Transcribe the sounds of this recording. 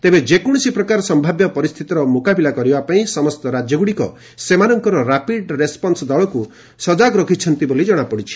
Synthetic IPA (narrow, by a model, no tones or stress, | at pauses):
t̪ebed͡ʒekɔɽ̃ɔsipɾɔkaɾɔsɔmbʱabjɔpɔɾist̪ʰit̪ɔɾɔmokabilakɔɾibapaĩsɔmɔst̪ɔɾad͡ʒjɔɡuɽikɔ̰ | semanɔŋkɔɾɔɾapiɖɾespɔnsɔd̪ɔɭɔku | sɔd͡ʒakɾɔkʰit͡ʃʰɔnt̪ibolid͡ʒɔɽ̃apɔɽit͡ʃʰi̥